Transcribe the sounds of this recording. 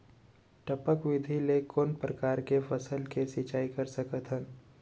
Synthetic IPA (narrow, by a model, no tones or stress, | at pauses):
ʈəpəkʋɪd̪ʱilekonpɾəkaːɾkefʰəsəlkesɪt͡ʃaːikəɾsəkət̪ɦɛ̃